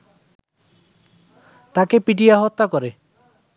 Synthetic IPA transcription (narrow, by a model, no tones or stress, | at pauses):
t̪akepiʈiaɦɔt̪ːakɔɾe